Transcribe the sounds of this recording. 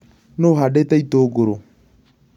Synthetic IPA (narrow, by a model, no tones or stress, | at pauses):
noɦadetaitoɡoɾo